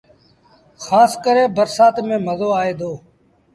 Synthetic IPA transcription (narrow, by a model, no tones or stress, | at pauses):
xaːskəɾẽːbəɾsaːt̪mẽːməzoːaːeːd̪ʱoː